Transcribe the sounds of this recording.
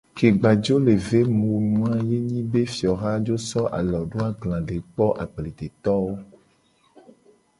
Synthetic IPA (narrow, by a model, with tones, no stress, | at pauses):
ke˨ɡ͡ba˨d͡ʒo˦le˨ve˦mũ˨wnũ˦a˨je˦ɲĩ˦be˦fi˨ɔ˨ɣa˦d͡ʒo˦sɔ˦ʔa̰˨lɔ˨ɖo˦a˦ɡlã˨ɖe˨k͡pɔ˦ʔa˨ɡ͡ble˨d̪e˨t̪ɔ˦wo˦